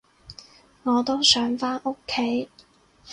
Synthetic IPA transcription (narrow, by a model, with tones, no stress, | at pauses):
ŋɔː˨˧t̪o˥wsœː˨˥ŋfaː˥nʔo˥kʰːe˨˥j